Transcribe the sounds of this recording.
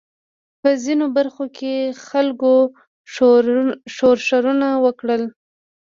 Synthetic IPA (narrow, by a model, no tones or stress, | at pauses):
pəzinobaɾxokʰexalko | ʃoɾʃaɾunawəkɽəl